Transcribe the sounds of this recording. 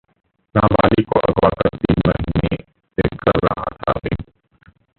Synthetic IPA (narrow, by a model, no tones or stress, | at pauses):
naːbaːlikoʔɐɡwaːkɐɾt̪iːnmɐɦiːne | sekɐɾːɐɦat̪ʰabḭ